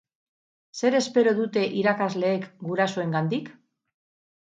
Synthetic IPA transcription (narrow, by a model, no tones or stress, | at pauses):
se̞ɾe̞spe̞ɾo̞ðut̪e̞ʔiɾakazle̞ːkɡuɾasoe̞ŋɡand̪ik